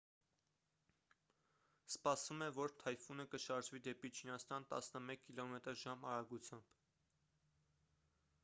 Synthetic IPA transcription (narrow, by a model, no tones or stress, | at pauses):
spɑsvumɛvɔɾt̪ʰɑjfunəkəʃɑɾʒvid̪ɛpit͡ʃʰinɑst̪ɑnt̪ɑ̰snəmɛkʰːilɔmɛt̪əɾʒɑmɑɾɑɡut͡sʰjɑmb̥